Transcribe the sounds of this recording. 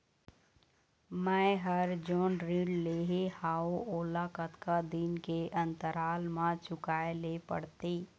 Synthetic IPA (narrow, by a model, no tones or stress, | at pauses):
mɛ̃ɦəɾd͡ʒoːnɾilleːɦehaːoʔoːlakət̪kad̪inkeʔə̃nt̪əɾaːlmãt͡ʃʊkaːelepə̰ɽt̪eː